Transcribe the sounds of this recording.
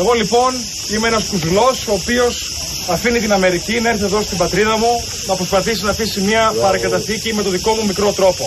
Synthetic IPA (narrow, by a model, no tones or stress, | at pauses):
e̞ɣo̞lipo̞n | imeenɐskuzulo̞so̞ːpio̞s | ɐfinit̪inɐme̞ɾicinɐeɾθiðo̞st̪ibɐt̪ɾiðɐmu | nɐpɾo̞spɐθis̬inɐθisimɲɐpɐɾɐŋkɐt̪ɐθicime̞t̪o̞ðiko̞mumikɾo̞t̪ɾo̞po̞